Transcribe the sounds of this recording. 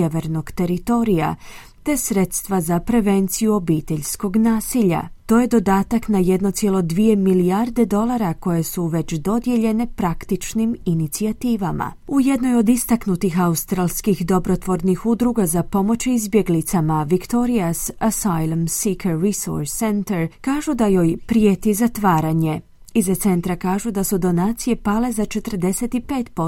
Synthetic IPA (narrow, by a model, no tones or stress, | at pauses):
eʋe̞ɾno̞ɡ̥t̪e̞ɾit̪o̞ɾija̰ | t̪e̞sɾe̞t̪st̪ʋazapɾe̞ʋe̞nt̪sijuo̞biːt̪e̞ʎsko̞ɡnaːsiʎa̰t̪o̞ːje̞d̪o̞d̪aːt̪aknaje̞d̪no̞t̪sjelˠo̞d̪ʋije̞miliaɾd̪e̞d̪o̞lˠaɾako̞je̞suʋe̞t͡ɕd̪o̞d̪je̞ʎe̞ne̞pɾakt̪it͡ʃniminit̪siat̪iːʋama̰uje̞d̪no̞jo̞d̪ist̪aknut̪ixaust̪ɾalˠskixd̪o̞bɾo̞t̪ʋo̞ɾnixud̪ɾuɡazapo̞mo̞t͡ɕizbje̞ɡlit̪samaʋikt̪o̞ɾiasasajlˠamsikeːiso̰ɾsːe̞nt̪eɾkaːʒud̪ajo̞jpɾije̞t̪izat̪ʋaːɾaɲe̞ | izat̪se̞nt̪ɾakaːʒud̪asud̪o̞naːt̪sije̞pale̞zat͡ʃe̞t̪əɾd̪e̞se̞t̪ipe̞ːt̪po